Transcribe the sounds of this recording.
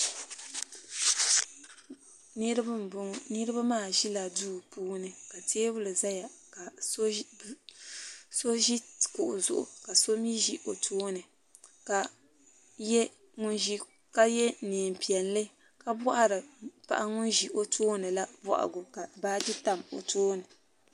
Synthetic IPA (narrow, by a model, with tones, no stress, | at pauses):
ni˦ɾbɨ˦m˨bʊ˦nɨ˦ɾɨ˦ba˦maː˦˨ʒi˦la˨duː˦puː˦nɨ˨ka˨tʰeː˦bʊ˦lɨ˨za˦ja˨ka˨˦˨ | so˦ʒi˦˨kʊ˨ʔʊ̰˨zʊ̰˨ʔʊ̰˨ka˨so˦mji˦ʒi˦ʔo˨tʰoː˦nɨ˨ | ka˨ | jɛ˦ | ŋʊ˦nʒi˦ | ka˦jɛ˦niː˨m˨pi˨ɛ˨nlɨ˦ | ka˦bɔ˦ʔa˦ɾɨ˨pa̰˨ʔa˦ŋʊ˦nʒi˨ʔo˦tʰoː˦nɨ˨la˦bɔ̰˨ʔa̰˨ɡʊ˨ka˨baː˦d͡ʒi˦ta˨mo̰˨toː˦nɨ˨